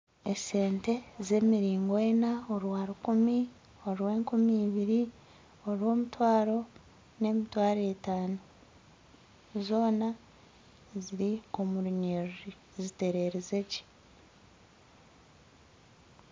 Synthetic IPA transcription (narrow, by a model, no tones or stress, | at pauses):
e̞se̞ːnte̞ze̞ːmiɾiːŋɡoenao̞ɾwaɾukumi | o̞ɾwe̞ːŋkumiːβiɾi | o̞ɾwo̞ːmutwaːɾo̞ | ne̞ːmitwaːɾetaːno | zo̞ːna | ziɾio̞muɾuɲei | zite̞ɾe̞ɾeze̞ci̥